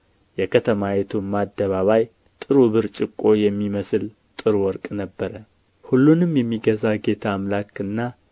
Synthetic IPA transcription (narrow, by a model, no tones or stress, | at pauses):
jɛkʰət̪ʰəmajet̪ʰumːad̪ːəβaβaj | t̪ʼɨɾuβɨɾt͡ʃʼɪkʼːo̞jɛmːiməsl | t̪ʼɨɾuwɔɾkʼnəbːəɾə | hulːunɨmjɛmːiɡəzaɡe̞t̪ʰaːmlakɨnːa